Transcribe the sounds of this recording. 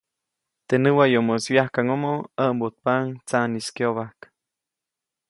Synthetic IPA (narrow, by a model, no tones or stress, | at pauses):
t̪enɨwajomoswjahkaŋomoəʔmbot̪̚paŋt͡saniskjoβahk